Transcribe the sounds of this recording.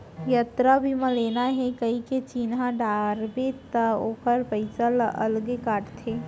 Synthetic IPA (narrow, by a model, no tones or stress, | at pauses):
jət̪ɾabʱimə̃leːnaɦɛkəɦiket͡ʃinɦaɖaːɾbet̪aoːpʰəɾpəɪsalə̰lɡekaːʈt̪ʰe